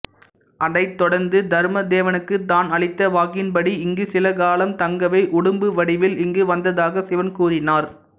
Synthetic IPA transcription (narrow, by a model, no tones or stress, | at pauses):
ʔɐɽɐɪt̪ːɔɽɐɾnd̪ɯd̪ɐɾmɐd̪eːʋɐnɯkːɯt̪ːaːnɐɭɪt̪ːɐʋaːɣɪnpɐɽiɪŋɡɯsɪlɐkaːlɐmt̪ɐŋɡɐʋɐɪʔʊɽɯmbɯʋɐɽɪʋɪlɪŋɡɯʋɐnd̪ɐðaːɣɐsɪʋɐnkuːɾɪnaːɾ